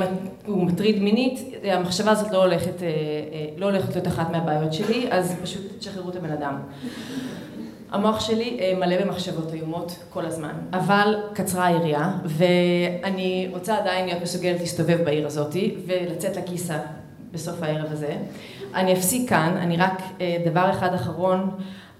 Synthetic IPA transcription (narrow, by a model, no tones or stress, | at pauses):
umatʁidminit | amaχʃavaːzo̞tlo̞leχetelo̞oleχetlijo̞taχatmeabaːjo̞tʃe̞liʔazpaʃut̪etʃaχdeʁuetabenadam | a̰mo̞aχʃe̞liʔemale̞be̞maχʃavo̞tajomo̞tko̞lazma̰navalkat͡sʁaiʁiave̞aniʁo̞t͡saːdainlijo̞t̪mesuɡe̞letlisto̞ve̞vbaiʁazo̞tive̞lat͡se̞tlakisa | be̞so̞fae̞ʁevaze̞ | ʔaniafsikkʰːana̰niʁakedavaʁeχadaχaʁo̞n